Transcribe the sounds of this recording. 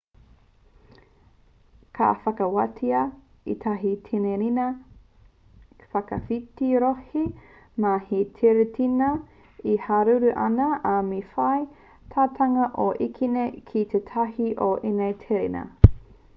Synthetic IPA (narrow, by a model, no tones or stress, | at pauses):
kʰa̰ːfɐkɐwɐtʰiɐ | ḭt̪ʰɐɦit̪ʰineɾinɐ | fɐkɐfitiɾohi | mahet̪ʰeɾetʰinɐ | ihaɾuɾuʔɐ̰nɐʔamifɐj | tʰaːt̪ʰɐŋɐʔoʔikʰinekʰit̪ʰetʰɐɦiʔoʔenejt̪ʰeɾḛnɐ̰